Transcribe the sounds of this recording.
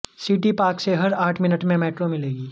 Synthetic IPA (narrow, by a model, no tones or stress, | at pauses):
siːʈipaːkseɦɐɾaːʈʰmɪnəʈmẽmɛːʈɾomɪleːɡiː